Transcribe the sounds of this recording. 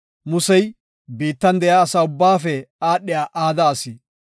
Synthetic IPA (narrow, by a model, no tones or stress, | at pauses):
mʊsɛj | biːt̪ːɐnd̪ɛjaːsaːʊbːaːfɛaːɗːɪjaːʔaːd̪aːsi